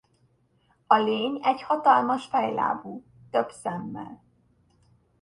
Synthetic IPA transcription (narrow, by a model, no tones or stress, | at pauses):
ɒleːɲɛɟhɒt̪ɒlmɒʃfɛjla̰ːbuː | t̪øbsɛmːɛ̰l